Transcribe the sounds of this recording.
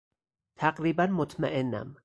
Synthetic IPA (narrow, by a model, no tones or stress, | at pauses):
t̪ʰæqɾiːbænmot̪ʰmaʔenːæ̰m